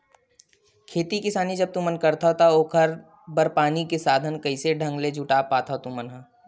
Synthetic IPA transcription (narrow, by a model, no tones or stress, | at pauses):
kʰeːt̪ikɪsaːnid͡ʒɐb̚t̪ũmɐnkɐɾt̪aɦot̪aoːkʰɐɾ | bɐɾpaːnikesaːd̪ʱənkɐɪseɖʱɐ̃ŋɡled͡ʒʱʊʈaːpaːt̪aot̪ũmɐnɦã